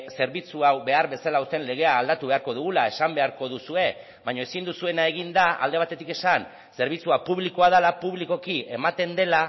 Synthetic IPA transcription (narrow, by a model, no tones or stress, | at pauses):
se̞ɾβit͡suawβe̞aɾβe̞salaust̪e̞nle̞ɣ̞e̞aːld̪at̪uβe̞aɾko̞ðuɣ̞ulae̞sambe̞aɾko̞ðusue̞ | βaɲo̞esind̪usue̞nae̞ɣ̞ind̪aa̰ld̪e̞β̞at̪e̞t̪ike̞san | se̞ɾβit͡suapuβliko̞að̞alapuβliko̞kie̞mat̪e̞nd̪e̞la